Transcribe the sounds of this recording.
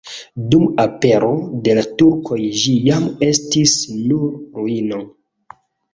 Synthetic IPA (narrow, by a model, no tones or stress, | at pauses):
dumape̞ɾo̞de̞latuɾkʰo̞jʒijame̞stisnuɾɾuino